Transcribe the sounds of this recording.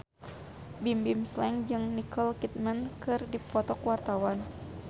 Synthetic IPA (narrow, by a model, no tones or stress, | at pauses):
bimbimslɛŋd͡ʒɨŋnikʰəlkit̪̚mənkɨrdipɔt̪ɔkwart̪awan